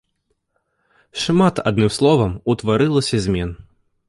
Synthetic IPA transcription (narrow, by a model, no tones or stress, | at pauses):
ʂmat̪a̰d̪̚nɨmslˠɔvɐmut̪vaɾɨlˠɐsʲɐzʲmʲɛn